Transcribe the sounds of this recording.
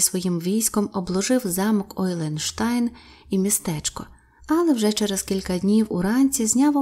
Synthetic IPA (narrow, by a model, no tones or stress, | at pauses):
sʋɔjimʋʲijsʲkɔmɔblˠɔʒɪwzɑmɔkɔjlˠɛnʃt̪ɑjn | imʲist̪ɛt͡ʃkɔ | ɐlˠɛwʒɛt͡ʃɛɾezkʲilʲkɐdʲnʲiwʊɾɑnʲt͡sʲizʲnʲɑʋɔ